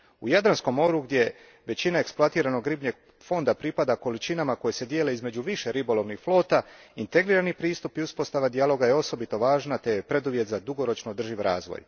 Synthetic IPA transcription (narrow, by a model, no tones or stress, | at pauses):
ujad̪ɾansko̞mːo̞ːɾuɡd̪ʲje̞ | ʋe̞t͡ɕinae̞ksplˠoat̪iːɾano̞ɡɾibɲe̞ɡ | fo̞nd̪apɾipad̪ako̞lit͡ʃinamako̞jese̞d̪jele̞izme̞d͡ʑuʋiʃe̞ɾibo̞lˠo̞ʋnixflˠo̞ːt̪aint̪e̞ɡɾiːɾanipɾiːst̪upiuspo̞st̪aʋad̪ialˠo̞ɡajeo̞so̞bit̪o̞ʋaːʒnat̪ejepɾe̞d̪uʋje̞t̪zad̪uɡo̞ɾo̞t͡ʃnood̪r̩ʒiʋɾa̰ːzʋo̰j